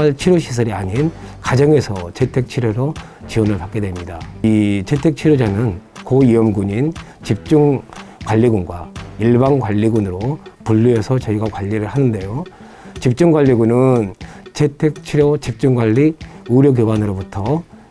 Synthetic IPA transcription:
aɭt͡ɕʰiɾjoɕʰis̬ʰʌɾiaɲinkad͡ʑʌŋe̞sʰʌt͡ɕe̞tʰe̞k̚t͡ɕʰiɾjoɾo | t͡ɕiwʌnɯɭpak͈e̞dwe̞mɲidait͡ɕe̞tʰe̞k̚t͡ɕʰiɾjod͡ʑanɯnkoiʌmɡuɲin | t͡ɕip̚t͡ɕ͈uŋkwaʎːiɡunɡwaiɭbaŋɡwaʎːiɡunɯɾopuʎːiesʰʌt͡ɕʌiɡakwaʎːiɾɯɭhanɯnde̞jo | t͡ɕip̚t͡ɕ͈uŋɡwaʎːiɡunɯnt͡ɕe̞tʰe̞k̚t͡ɕʰiɾjot͡ɕip̚t͡ɕ͈uŋɡwaʎːiuɾjoɡjobanɯɾobutʰʌ

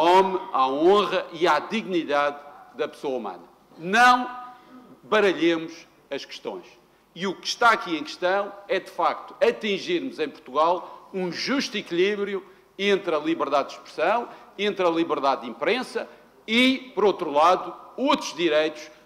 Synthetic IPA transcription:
ɔmaõʁɐʔiaðiɣniðaðːɐpsoɐumɐ̰nɐ | nɐ̃w̃ | bɐɾɐʎemuʃ | ɐʃkɨ̥ʃt̪õ̰j̃ʃ | iukɨ̥ʃt̪aɐkiẽj̃kɨʃt̪ɐ̃w̃ɛðɨfak̚t̪u̥ɐt̪ĩʒiɾmuzẽj̃puɾt̪uɣalˠũʒuʃt̪ikilˠiβɾju | ẽnt̪ɾɐlˠiβɨɾðaðd̪ʃpɾɨsɐ̃w̃ẽnt̪ɾɐlˠiβɨɾðaðd̪ĩmpɾẽsɐ | ipɔɾot̪ɾulˠaðuot̪ɾuʒðiɾejt̪u̥ʃ

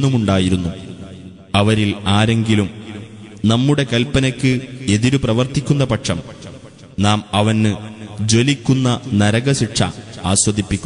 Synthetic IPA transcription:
umuɳɖaːjiɾunːu | ɐʋɐɾilaːɾe̞ŋɡilum | nɐmːuɽe̞kɐlpɐnɐkʲːɨe̞ðiɾuprɐʋɐrt̪ikʲːunːɐpɐʈʂɐm | naːmɐʋɐnːɨd͡ʑo̞likʲːunːɐnɐɾɐɣɐɕiʈʂɐ̰aːɕwɐðipːikʲːu

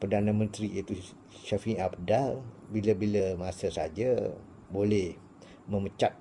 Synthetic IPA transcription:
pərdanãmə̃nt̪ɾiit̪u | ʃafiabdalbiləbiləmasəsad͡ʒa | bolɛh | mə̃mət͡ʃat̪̚

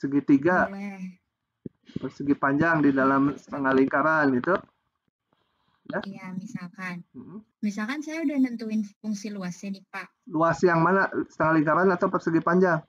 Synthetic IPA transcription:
səɡit̪iɡa | pərsəɡipaɲd͡ʒaŋdidalamsə̥t̪əŋaliŋkaɾanɡit̪u | jaijamisalkanm̩hm̩ | misalkansajaudahnənt̪uɪnfuŋsiluasɲadipaʔluasjaŋmanasə̥t̪əŋaliŋkaɾanat̪awpərsəɡipaɲd͡ʒaŋ

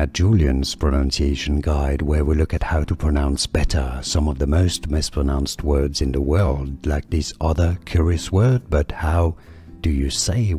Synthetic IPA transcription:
ɨt̚d̥ʒ̥ulˠiɨ̃nz̥pʰɹ̥ɨnʌ̃nsieɪʃɨ̃n̩ɡaɪd̚wə˞wilʊkɨt̚haʊɾəpʰɹ̥ɨnãʊ̃nsb̥ɛɾə̰˞sʌ̃mʌvðɨmoʊstmɪspʰɹ̥ənãʊ̃nst̚wɜ˞dzɨ̃nðəwɜ˞lˠd̚laɪk̚ðɪsʔʌðə˞kʰj̥ʊɹiɨswɜ˞d̚bʌt̚haʊ | d̥ɨjɨseɪ

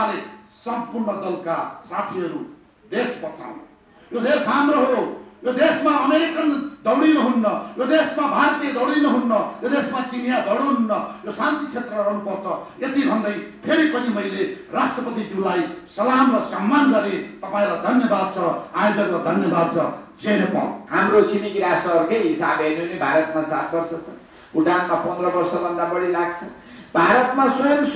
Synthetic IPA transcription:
aɾesʌmpurɳʌd̪ʌlkasat̪ʰiʌɾu | d̪espʌt͡sʰa̰wn̰ | jod̪esɦamrʌɦojod̪esmaʌmeɾikʌnd̪ʱʌwɽinʌɦunːʌjod̪esmabʱaɾt̪ijed̪ʱʌwɽinʌɦunːʌjod̪esmat͡sinjad̪ʱʌwɽ̃oɦunːʌjosant̪it͡sʰet̪rʌɾʌɦnupʌrt͡sʰʌet̪ibʱʌnd̪ʌjpʰeɾipʌnimʌjlerasʈrʌpʌt̪id͡zulajsʌlamrʌsʌmːanɡʌɾet̪ʌpaẽɾad̪ʱʌnjʌbad̪̚t͡sʰʌajd͡zʌɡʌd̪ʱʌnjʌbad̪̚t͡sʰʌd͡zenepa̰w̃ɦamɾot͡sinikiɾasʈrʌɦʌɾukʌjɦisabɦeneɦunibʱaɾʌt̪masat̪ʰbʌrsʌt͡sʰʌ | uʈanmapʌnd̪rʌbʌrsʌbʱʌnd̪abʌɽilaɡ̚t͡sʰʌ | bʱaɾʌt̪maswʌjʌms

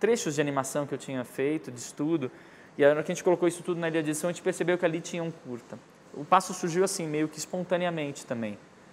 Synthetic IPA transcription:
t̪ɾeʃʊzd͡ʒɪanimasɐ̃w̃kɪewt͡ʃĩɲɐfejt̪ʊd͡ʒɪːst̪ud̪ʊ | ɪakɐʒẽnt͡ʃɪkolokowisʊ̥t̪ud̪ʊnɐiliɐd͡ʒɪdsɐ̃ɐẽt͡ʃɪpeɾsebewkɪalit͡ʃĩɲɐũkuɾt̪ɐ | ʊpasʊsuɾʒiwasĩmejʊkɪspõnt̪ɐ̃niɐmẽnt͡ʃɪ̥t̪ɐ̃mbẽj̃

